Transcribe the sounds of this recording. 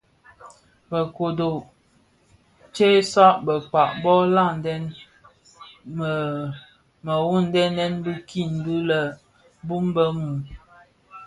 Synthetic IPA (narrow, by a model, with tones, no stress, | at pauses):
bə˨ko˨do˨ | t͡ʃe˦sa˦ʔbə˨k͡pa˨ʔbɔ˦la˦˨n˨dɛ˦n | m˨ | mə˨wu˦˨n˨˦dɛ˦nɛ˦nbi˦ki˦˨n˨du˦lə˨ | bu˦mbə˦mu˨